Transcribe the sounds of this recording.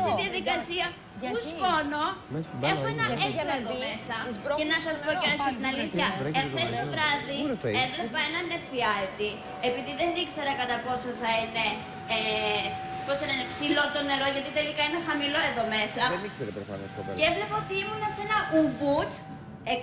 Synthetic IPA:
st̪iðijɐðikɐsiɐ | uskono̞e̞xoenɐefeleomesɐenɐsɐspooɾɐst̪st̪inɐliθçɐefθest̪ovɾɐðievlepɐenɐne̞fiɐt̪i | epiðiðe̞nikse̞ɾɐkɐt̪ɐpo̞soθɐine̞ | posɐnɐinepsilo̞t̪o̞neɾo̞ʝɐt̪it̪e̞likɐinexɐmilo̞e̞ðo̞me̞sɐno̰ɐɐceevle̞pɐot̪iimunɐsenɐubut̪ | e

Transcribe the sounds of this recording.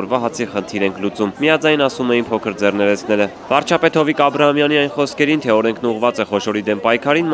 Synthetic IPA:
ɾvɑɦɑt͡sʰiχənt̪ʰiɾɛŋkʰlut͡summijɑd͡zɑjnɑsumɛjinpʰɔkʰəɾd͡zɛrnɛɾɛt͡sʰn̪ɛlə | vɑɾt͡ʃʰɑpɛt̪hɔvikɑbɾɑhɑmjɑniɑjnχɔskʰɛɾint̪ʰɛɔɾɛŋkʰnuʁvɑt͡sɛχɔʃɔɾid̪ɛmpɑjkʰɑɾin

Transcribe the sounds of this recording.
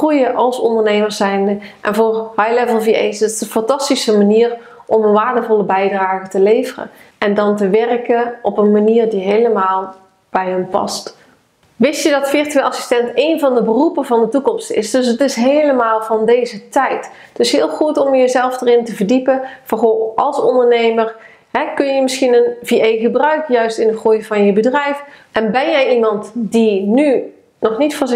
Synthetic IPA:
rujəʔɑlˠsɔndəɹnejməɹsɛjnəʔɛ̰nvʊːɹɦɑjlɛvəlˠviḛjsɪtɪ̥sənfɑntɑstisəmaniːr | ʔɔmənʋaːɹdəvɔləbɛjdraːɣətəlejvərə̰ | ʔɛndɑntəʋɛrkəʔɔpənmaniːrdiɦejləmaːlˠ | b̥ɛjɦənpɑ̰st | ʋɪsjədɑtfɪrtyelˠɑsi̥stɛntejnvɑndəbərupənvɑndətukɔmstɪ̰sdɵsətɪsɦejləmaːlˠvɑndejzətɛjt | ətɪsɦɪːlˠχutɔmjəzɛlˠfdərɪntəvəɹdipəv̥ɑnχoːʔɑlˠsɔndəɹnejməɹ | ɦɛkɵnjəmɪsxinənviejχəbrœɥkjœɥstɪnətχujvɑnjəbədrɛjfʔɛnbɛnjɛjimɑntdiny | nɔχnitfʊz

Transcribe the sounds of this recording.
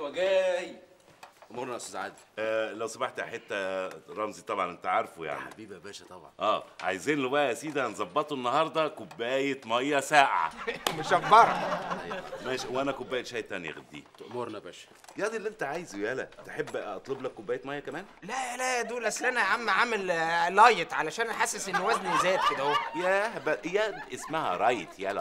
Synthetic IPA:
wæɡæːj | ʔmoɾˤnæʔæsuzʕa̰ːd̪iʔælæwsɑbɑħt̪ħet̪ːæɾˤɑmzit̪ˤɑbʕɑ̰nʔent̪æʕɑɾˤfuja̰ʕnḭbibæbæːʃæt̪ˤɑbʕɑ̰nʔæːʕa̰jeziːnlowæʔæʔæsiːd̪æhænzˤɑbːɑt̪ˤoʔenːɑhɑɾˤd̪ˤɑkobːæːjet̪mɑjːɑsæːʕa̰meʃæbːɑɾˤɑ | mæʃwʔænækobːæːjet̪ʃæːjt̪ːænjæ̰ɣæ̰d̪ːḭːt̪oʔmoɾˤnæbæʃæ̥ | jæd̪ˤilːʔent̪æʕaːjezwjælæ̰t̪eħebːɑt̪ˤloblækːobːæːjet̪mɑjːɑkæmæːnlælæd̪uːlʔæslʔænæʕamːæʕamellɑjet̪ʕalæʃæːnʔaħasːesʔenːwæznizæːt̪̚ked̪æhowæjæbæʔjæʔesmæhæ̰ɾˤɑjet̪jælæ̰

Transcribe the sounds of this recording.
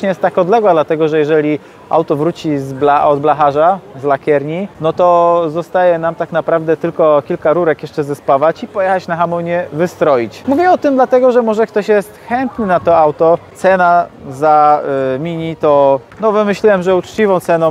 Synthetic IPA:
ɲɛjɛst̪ːakɔd̪lɛɡwad̪lat̪ɛɡɔʐɛjɛʐɛlʲi | a̰wt̪ɔvɾut͡ɕizblaʔɔd̪blaxaʐazlakʲjɛɾɲinɔt̪ɔzɔst̪ajɛnamt̪aknapɾavd̪ɛt̪ɘlkɔkʲilkaɾuɾɛkjɛʂt͡ʂɛzɛspavat͡ɕipɔjɛxat͡ɕnaxamɔɲɛvɘst̪ɾɔjit͡ɕmuvʲjɛɔt̪ɘmd̪lat̪ɛɡɔʐɛmɔʐɛkt̪ɔɕjɛst̪xɛnt̪nɘnat̪ɔawt̪ɔt̪sɛnazamʲiɲit̪ɔnɔvɘmɘɕlʲiwɛmʐɛut͡ʂt͡ɕivɔ̃w̃t̪sɛnɔ̃

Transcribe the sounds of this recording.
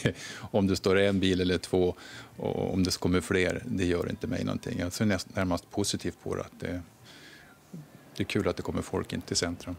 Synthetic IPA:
ɔmd̪ɛst̪oːɾɛnbiːlɛlːəʈʰv̥oːɔ̰ɔ̰md̪ɛskʰɔmːəɾfleːɾd̪ɛjœːɾɪ̰nt̪əmɛ̰jnɔ̰nt̪ʰɪ̰ŋːjɑseːnɛnæɾmast̪̚pʰʊsɪt̪ʰiːft̪̚pʰɔ̰ɾ̰a̰t̪̚d̪ɛ̰ | d̪̥ɛækʰʉ̟ːlat̪̚d̪ɛkʰɔmːəɾfɔ̰lkɪ̰nt̪ət̪ʰɪlsɛnt̪ɾɵm

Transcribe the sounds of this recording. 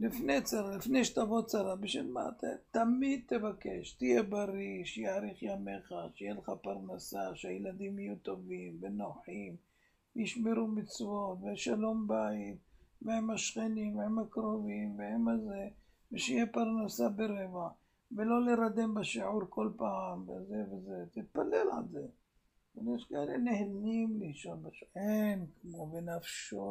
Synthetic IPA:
lifnet͡saɾalifnejʃe̥t̪avo̞t͡saɾabeʃḛlma̰t̪t̪amid̪̚t̪evakeʃt̪ijebaɾiʃjaaɾiχjameχaʃejeleχapaʁnasaʃejelad̪imajut̪o̞vimvenoħim | vejiʃmeɾumit͡svo̞t̪veʃalo̞mbaitvehemhaʃχenimvehemakɾo̞vimvehemaze | veʃijepaɾnasabeɾeva | velo̞leɾad̪e̞mbaʃiʕuɾko̞lpaʕamvezevezet̪it̪̚palelʕa̰lze | enjeʃkaʔelenehlimlihʃoɾbaʃenkmovenafʃo

